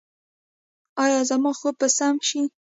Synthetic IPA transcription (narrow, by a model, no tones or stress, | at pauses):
ɑjɑzamɑxopəsamʃi